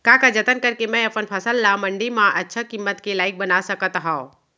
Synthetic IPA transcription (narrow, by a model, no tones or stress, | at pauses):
kakad͡ʒɐt̪ənkɐɾkemɛ̃ɐpənpʰɐsəlːamə̃ɳɖimãʔɐtːʃʰəkimːət̪kilaːɪk̚bənasəkət̪ɦã